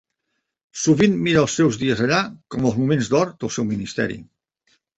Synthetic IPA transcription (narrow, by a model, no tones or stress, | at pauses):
suβinːiɾəːlˠsːɛwzðiəzəʎakɔməlˠzmumenzd̪ɔɾd̪əlˠsɛwminist̪ɛ̰ɾḭ